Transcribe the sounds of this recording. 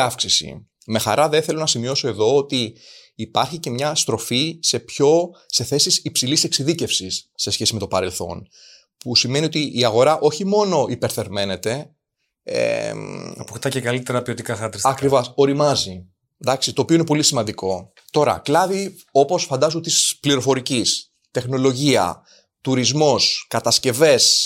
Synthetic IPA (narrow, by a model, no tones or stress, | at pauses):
ɐfksisḭ | me̞xɐ̰ɾɐðeθelo̞nɐsimio̞so̞e̞ðo̞ot̪iː | pɐɾçice̞mɲɐst̪ɾo̞fise̞pço̞se̞θe̞sisipsilise̞ksiðice̞fsisːe̞sçe̞sime̞t̪o̞pɐɾe̞lθo̞̰n | pusime̞nio̞t̪iʔːɐɣo̞ɾɐʔo̞çimo̞no̞ipe̞ɾθe̞ɾme̞ne̞t̪e̞ | ḛɐpoxt̪ɐcekɐlit̪eɾɐpiot̪ikɐxɐt̪ɾisɐkɾivɐso̞ɾimɐzi | d̪ɐksit̪o̞ːpioinepo̞lisimɐnd̪iko̞ | t̪o̞ɾɐ̰klɐvi | o̞po̞sfɐnd̪ɐzunt̪ispliɾo̞fo̞ɾicis | t̪e̞xno̞lo̞ʝiɐ̰ | t̪uɾizmo̞skɐt̪ɐsce̞ve̞s